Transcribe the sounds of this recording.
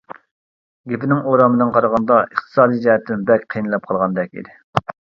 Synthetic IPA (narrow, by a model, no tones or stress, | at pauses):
ɡʲepɪnɪŋoɾɑmɨd̪ɨnqʰɑɾɑʁɑnd̪ɑəχt̪ʰɨ̥sɑːd̪ijd͡ʒɛɦɛt̪ʰːɪnɪbɛkʲqʰijnɨlˠɑp̚qʰɑlˠʁɑnd̪ɛk̚ʲḭd̪ɪ